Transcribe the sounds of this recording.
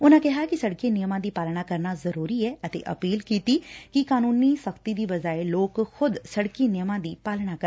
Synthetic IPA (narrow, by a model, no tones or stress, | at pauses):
ʊnãːkɛɦaːkɪsəɽkeːnɪjəmãːd̪iːpaːlɳ̃aːkəɾnaːzəɾuːɾiːɛːʔət̪ḛːʔə̰piːlkiːt̪iːkɪkaːnuːniːsəkʰt̪iːd̪iːʋəd͡ʒaːeloːkxʰʊd̪səɽkeːnɪjəmãːd̪iːpaːlɽaːkə